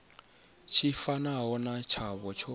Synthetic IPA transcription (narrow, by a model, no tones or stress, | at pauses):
t͡ʃʰifanaɦɔnat͡ʃʰaβɔt͡ʃʰɔ